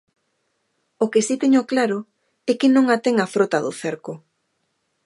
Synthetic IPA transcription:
okesit̪eɲoklaɾo | ɛkɪnõŋat̪ɛŋafɾot̪aðʊθeɾkʊ

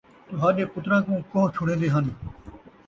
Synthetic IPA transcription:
t̪ʊɦãːɗẽːpʊt̪ɾãːkũːkõɦt͡ʃʰʊɽẽːnd̪eːɦən

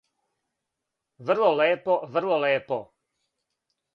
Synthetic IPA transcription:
ʋr̩lɔlɛːpɔʋr̩lɔlɛːpɔ

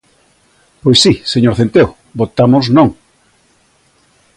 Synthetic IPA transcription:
pojsːiseɲoɾθent̪ew | bot̪amoznõŋ

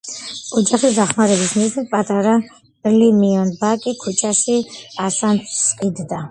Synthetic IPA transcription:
ɔd͡ʒaχisd̪aχmaɾɛbismiʃnɛt̪̚pʼat̪ʼaɾa | limiɔnbakʼikʰut͡ʃʰaʃiasant̪sʼqʼid̪d̪a

